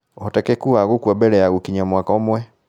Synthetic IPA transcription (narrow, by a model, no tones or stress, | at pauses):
ɔtakɛkuaɣukuabɛlɛaɣukiɲamwakaɔmwɛ